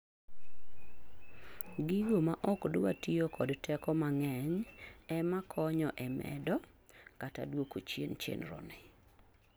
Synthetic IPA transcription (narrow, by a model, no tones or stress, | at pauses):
ɡiɡomaʔɔkdʊwa̰tiokʰɔdtʰɛkɔmaŋɛɲɛmakʰɔɲɔʔɛmɛ̰dɔ | kata̰dwokot͡ʃjḛnt͡ʃḛnɾɔ̰nɛ